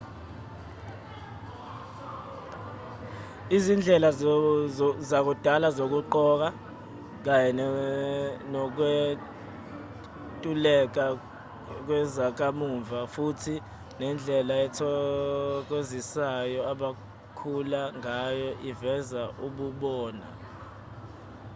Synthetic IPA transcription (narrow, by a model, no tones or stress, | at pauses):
izind͡ɮʱɛla | zak̬ud̥ʱalazok̬uǃɔk̬a | k̬ajɛ | nɔk̬we | tʼulɛk̬a | k̬wɛzak̬amuɱvʱafutʰi | nɛnd͡ɮʱɛlaɛtʰɔ | k̬ozisajɔaɓa | kʰulaŋajɔʔivɛzaʔuɓuɓɔːna̰